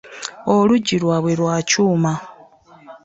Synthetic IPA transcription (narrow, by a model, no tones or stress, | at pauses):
o̞luɟilwaβwe̞lwaːcuːma